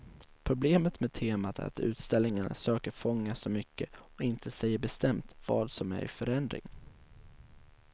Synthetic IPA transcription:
pʰɾʊbleːmət̪meːd̪̚t̪ʰeːmat̪ʰæ̰ɾa̰t̪ʉ̟̰ːt̪st̪ɛlnɪŋən̰søːkəɾfɔŋːasɔmʏkːəɔɪnt̪ʰəsɛjːəbɛst̪ɛmt̪vɑ̰ːd̪sɔmæ̰ɾʔɪ̰fœɾɛnd̪ɾɪ̰ŋ

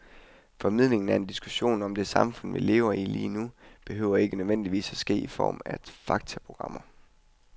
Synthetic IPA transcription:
fɒ̽mið̰ˠle̝ŋn̩æɐe̝nd̥isɡ̥uɕo̝̰ːnɒ̽md̥e̝sɑ̈mfɔ̽n̰ʋḭle̝̰ːʊɐilḭːnub̥e̝ɦøːʊ̰ɐe̝ɡ̥ənøðˠʋen̰d̥iʋḭːsæsɡ̥e̝̰ːifɒ̰ːmæd̥fɑ̈ɡ̥̚t͡sʰæpʰʁo̝ɡ̥ʁɑ̈m̰ɐ

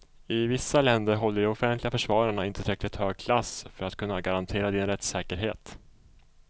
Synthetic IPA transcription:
ɪvɪsːalɛnd̪əɾɦɔlːəɖɛɔfɛnt̪lɪɡafœʂvɑːɾaɳaɪnt̪ət̪ʰɾɛklɪt̪høːɡ̚kʰlasfœɾat̪kʰɵnːaɡaɾant̪ʰeːɾad̪ɪnɾɛt̪sɛːkəɾɦeːt̪

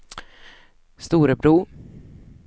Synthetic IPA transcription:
st̪uːɾəbɾuː

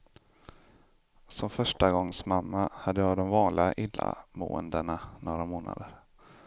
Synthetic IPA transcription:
sɔmfœʂʈaɡɔŋːsmamːahad̪ːəjɑːd̪ɔmvɑːnlʔɪɡaʔɪlːa̰mo̰ːənd̪əɳanoːɾamoːna̰d̪əɾ

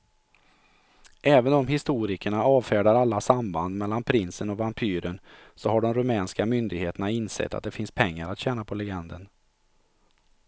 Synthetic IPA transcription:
ʔɛːvənɔmɦɪst̪uːɾɪkəɳaɑːvfæːɖaɾalːasamband̪mɛlːanpʰɾɪnsənɔvampʰyːɾən | sɔɦaɖɔmɾɵmɛːnskamʏnd̪ɪɡheːt̪əɳaɪnsɛ̰t̪ʰːa̰t̪̚d̪ɛfɪnspʰɛŋːaɾat̪ɕɛːnapʰɔlɛɡɛnd̪ən

